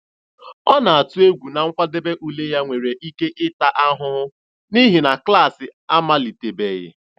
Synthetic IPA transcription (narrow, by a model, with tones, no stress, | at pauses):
ɔ˦na˨a˨tu˦e˦ɡʷu˨na˨ŋ̩˦kʷa˦de˦be˦ʔu˨le˦ja˦ŋʷe˨ɾe˨ʔi˦ke˦ʔɪ˦ta˨ʔa˦ɦʊ˦ | ni˦ɦi˨na˨kla˦˨sɪ˨a˦ma˦li˨te˨be˨jɪ̰˨